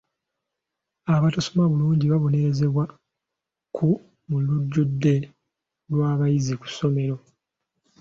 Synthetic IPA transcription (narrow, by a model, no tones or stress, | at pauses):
aβatosomaβuluːɲɟiβaβo̞ne̞ɾe̞ze̞βwa | kʰu | muluɟːudːe̞ | lwaːβajiziku̥sːo̞me̞ɾo̞